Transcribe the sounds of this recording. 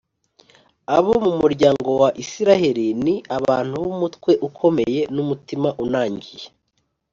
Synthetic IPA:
aβo̞mumuɾɟaːŋɡo̞waʔisiɾaheɾiniaβaːn̥huβumutkwe̞ʔukʰo̞meje̞numutimaʔunaːɲɟije

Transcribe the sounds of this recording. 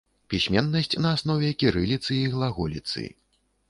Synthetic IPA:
pʲisʲmʲɛnːɐsʲt͡sʲnɐːsnɔvʲɛkʲiɾɨlʲit̪sɨiɣlˠaɣulʲit̪sɨ̰

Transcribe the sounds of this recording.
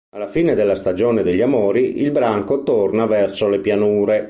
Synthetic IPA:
alːafiːned̪elːast̪ad͡ʒoːned̪eʎːamoːɾiʔilbɾaŋkot̪ornavɛrsolepjanuːɾe

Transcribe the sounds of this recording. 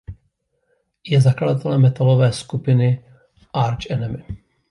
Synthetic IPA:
jɛzakladat̪ɛlɛmːɛt̪alovɛːskupɪnɪ | ʔaɾt͡ʃʔɛnɛmɪ

